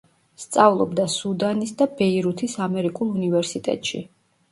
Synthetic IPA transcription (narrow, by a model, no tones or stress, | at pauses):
st̪sʼavlˠɔbd̪asud̪anisd̪abɛiɾut̪ʰisamɛɾikʼulˠunivɛɾsit̪ʼɛ̰t̪ʼʃḭ